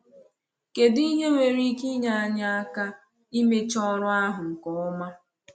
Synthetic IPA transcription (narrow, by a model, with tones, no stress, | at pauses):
ke˨di˦ɦe˦ŋʷe˨ɾi˦ki˦ɲa˨a˦ɲa˦a˦ka˦ | i˦me˦t͡ʃɔ˦ɾʊ˦a˦ɦʊ˨ŋ̩˨kɔ˨ʊ˦ma˦